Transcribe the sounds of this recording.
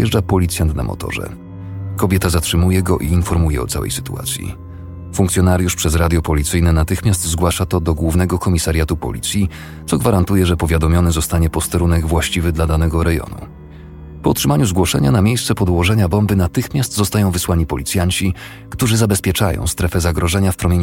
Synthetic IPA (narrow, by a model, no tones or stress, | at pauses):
jɛʐd͡ʐapɔlʲit̪sʲjant̪na̰mʔɔ̰t̪ɔ̰ʐɛ̰ | kɔbʲjɛt̪azatʂɘmujɛɡɔʔiːnfɔɾmujɛ̰ɔ̰t̪sawɛ̰jsɘ̥t̪ua̰t̪sʲjḭ | fuŋk̪sʲjɔnaɾjuʂpʂɛzɾad̪ʲjɔpɔlʲit̪sɘjnɛnat̪ɘxmʲast̪zɡwaʂat̪ɔd̪ɔɡwuvnɛɡɔkɔmʲisaɾʲjat̪upɔ̰lʲḭt̪sʲji | t̪sɔɡvaɾant̪ujɛʐɛpɔvʲjad̪ɔmʲjɔnɘzɔst̪aɲɛpɔst̪ɛɾunɛɡvwaɕt͡ɕivɘd̪lad̪anɛɡɔɾɛjɔ̰nṵ | pɔutʂɘmaɲuzɡwɔʂɛ̰ɲanamʲjejst̪sɛpɔd̪wɔʐɛɲabɔmbɘnat̪ɘxmʲast̪zɔst̪ajɔ̃w̃vɘswaɲipɔlʲit̪sʲjaɲt͡ɕi | kt̪uʐɘzabɛspʲjɛt͡ʂa̰jɔ̰̃w̃st̪ɾɛfɛzaɡɾɔʐɛɲafpɾɔmʲjeɲ